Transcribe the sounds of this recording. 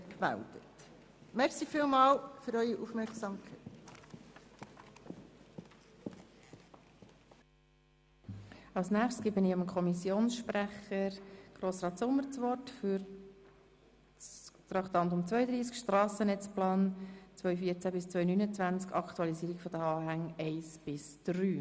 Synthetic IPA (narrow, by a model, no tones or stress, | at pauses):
kmæ̰ld̥̪ət | mɛɾsifiːlmɑːlfyɾœʏiʔufmɛɾksɑmkʰɛɪt | ɑlsnæːχtskibɪnɪɑmkʰɔmisjoːnsʃpɾæχəɾɡ̥roːsɾɑːt̪sʊmːəɾt͡sʋɔɾtfyɾ | t̪rɑkt̪ɑntʊmt͡svœʏəd̪ɾiːskʃtrɑːsənɛt͡splɑːnt͡sʋœʏfiːəɾt͡sæbɪst͡sʋœʏnynət͡svænt͡skʰɑkt̪uɑlisiːɾikfɔd̥̪əɑːɦæŋɛɪsb̥ɪsd̥ryː